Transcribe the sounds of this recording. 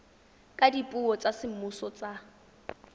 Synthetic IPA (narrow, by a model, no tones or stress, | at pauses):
kʼadipʼuɔt͡sʼasɪm̩mʊsɔt͡sa